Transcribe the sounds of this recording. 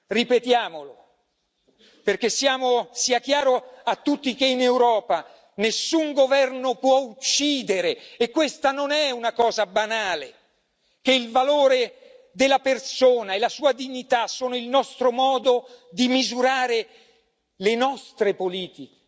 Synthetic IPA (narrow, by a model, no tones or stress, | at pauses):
ripet̪jaːmolo | perk̟esːjaːmosiak̟jaːɾoat̪ːut̪ːik̟einewɾɔːpa | nesːuŋɡovɛrnopwɔut͡ʃːiːd̪eɾeːkːwest̪anonɛunakɔːzabanaːle | k̟eilvaloːɾe | d̪elːapersoːnaelːasuːad̪iɲːit̪asːoːnoilnɔst̪ɾomɔːd̪od̪imizuɾaːɾe | lenɔst̪ɾepoliːt̪ik